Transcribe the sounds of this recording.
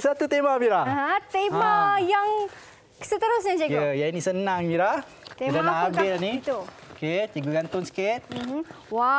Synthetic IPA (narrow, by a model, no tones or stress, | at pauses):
sat̪ut̪emamiɾaaɦãt̪emajaŋ | sət̪əɾʊsɲad͡ʒaəjainisənaŋmiɾah̪ | eamdalaabɪlaniit̪uoket̪iɡəɡant̪ʊnsə̥kɪt̪̚m̩ | wa